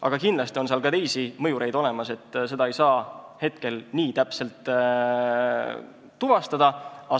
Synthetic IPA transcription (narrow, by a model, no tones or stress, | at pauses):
ʔɑ̰ɡ̥ɑkind̪lɑst̪io̞ns̬eɑlkɑt̪e̞jsimɤjuɾe̞jd̪̥o̞le̞mɑse̞t̪ːˑse̞d̪̥ɑejsɑːhe̞t̪̚ke̞lniːt̪æpse̞lt̪ː | uvɑst̪ɑd̪̥ɑɑ